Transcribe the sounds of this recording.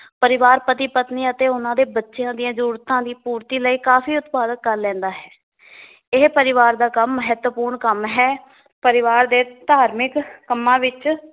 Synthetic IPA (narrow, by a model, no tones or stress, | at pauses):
pəɾɪʋaːɾpət̪iːpət̪niːət̪eːʊnãːd̪eːbətːʃejãːd̪ɪjãːzəɾuːɾt̪ãːd̪iːpuːɾt̪iːləiːkaːfʰiːʊt̪paːd̪əkːəɾlɛ̃ːnd̪aːɦɛː | ɪɦpəɾɪʋaːɾd̪aːkəmːəɦət̪əpuːɾɳkəmɦɛː | pəɾɪʋaːɾd̪eːd̪aːɾmɪkːəmːãːʋɪt͡ʃ